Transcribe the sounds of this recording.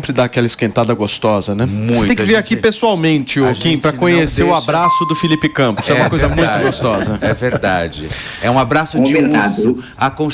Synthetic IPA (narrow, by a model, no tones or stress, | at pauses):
ẽpɾɪd̪aːkɛlɐɪskẽnt̪ad̪ɐɡost̪ɔzɐnɛmsũẽt̪ẽj̃kkɪveɾakipesuawmẽnt͡ʃɪokĩpɾɐkõɲeseɾʊabɾasʊd̪ʊfilipɪkɐ̃mpʊsɛumɐkojzɐmũj̃t̪ɡost̪ɔzɐɛveɾd̪a̰d͡ʒɪɛũabɾasʊd͡ʒmẽt̪ad̪ʊ | akõ